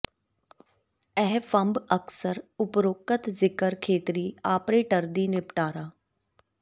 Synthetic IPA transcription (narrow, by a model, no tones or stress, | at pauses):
ɛɦfəmbəksəɾʊpɾoːkət̪zɪkəɾkʰeːt̪ɾiːaːpɾeːʈəɾd̪iːnɪpʈaːɾaː